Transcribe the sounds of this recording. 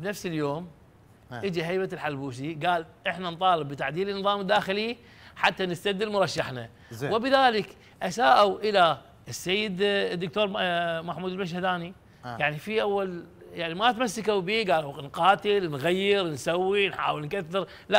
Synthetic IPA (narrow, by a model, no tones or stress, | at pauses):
bnafsɪljoːm | ʔɪd͡ʒiɦajbalħalbuːs̬iɡaːlʔɪħnant̪ˤɑːlɪbːɪt̪aʕd̪iːlɪnːɨðˤɑːmɪd̪ːaːxɪli | ħat̪ːanɪst̪ad̪ːɪlmʊɾˤɑʃːaħna̰ | wɪbɪðaːlɪk | ʔasaːʔawʔɪla | ʔɪsːejːɪd̪d̪ːʊk̚t̪oːɾˤmaħmuːd̪lmaʃ̬had̪aːni | jaʕnifiʔawːaljaʕnimat̪masːɪkawbiːɡaːlanqɑːt̪ɪlnɣajːɪɾnsawːinħa̰ːwɪlnkaθːɪɾ | la